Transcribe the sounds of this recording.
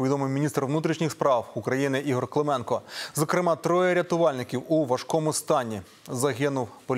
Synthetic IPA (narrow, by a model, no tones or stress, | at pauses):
ʋʲid̪ɔmɪwmʲinʲist̪rʋnut̪ɾʲiʃnʲixspɾɑwukɾɐjinɪʔiɦɔrklˠemɛnkɔzɔkɾɪmɑt̪ɾɔjɛɾʲɐt̪ʊʋɑlʲnɪkʲiwuʋɐʃkɔmʊst̪ɑnʲi | zɐɦɪnʊwpɔlʲ